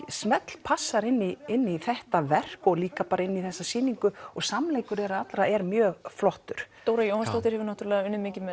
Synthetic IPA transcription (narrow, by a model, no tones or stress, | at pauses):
smɛt̪l̥pʰasːaɾɪnːiɪnːiθɛht̪avɛr̥kɔɣliːkapaːɾaɪnːiθɛsːasiːniŋkʏɔɣsamleːjkʏɾɛɾaðat̪lɾaɛɾmjœːɣflɔht̪ʏɾ̥t̪oːwɾajowhanst̪aht̪ɪɾ̥hɛvɪɾnaht̪yɾalɛɣaʏnːʏmɪːcɪmɛ